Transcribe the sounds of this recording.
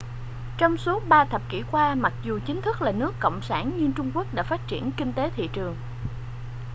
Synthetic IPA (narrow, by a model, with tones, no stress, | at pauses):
t͡ɕɔ˧wŋ͡msu˨˦˥əɓaː˧t̪ʰə˨˩p̚kḭ˧˩kwaː˧ma˨˩t̚zu˨˩t͡ɕï˨˦ŋ̟t̪ʰɨ˦˥k̚laː˨˩nɨ˦˥əkːo̰˧˨wŋ͡msaː˧˩nɲɨ˧t͡ɕʊ˧ŋ͡mku˦˥ək̚ɗa̰ː˧˥faː˦˥t̚t͡ɕḭ˧˩ənkï˧ŋ̟t̪e˨˦t̪ʰḭ˧˨t͡ɕɨ˨˩əŋ